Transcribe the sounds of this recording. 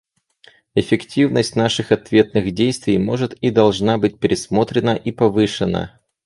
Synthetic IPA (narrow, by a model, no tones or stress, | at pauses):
ɪfʲɪktʲivnəsʲt̚ʲnaʂɨxɐt̪vʲe̞t̪̚nɨɣdʲejst̪vʲɪjmo̞ʐɨt̪id̪ɐlˠʐnabɨt̚ʲpʲɪɾʲɪsmo̞t̪ɾʲɪnəʔipɐvɨʂɨnə̰